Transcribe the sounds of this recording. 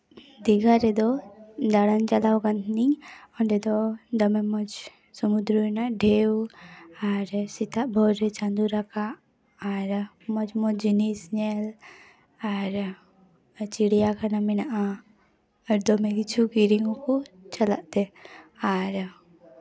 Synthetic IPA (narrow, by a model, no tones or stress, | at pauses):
d̪iɡaɾed̪od̪aɽant͡ʃɐlawɡənt̪niɔnɖed̪od̪ɔmemɔd͡ʒ | sɔmud̪ɾunaɖʱewaɾsit̪aʔbʱɔɾet͡ʃãnd̪uɾakaː | ɾ | mɔd͡ʒmɔd͡ʒinisɲel | aɾ | t͡ʃiɽijakanaminaʔaː | ɾd̪ɔmekit͡ʃʰukiɾiŋɡõkut͡ʃɐla̰ʔt̪eaɾ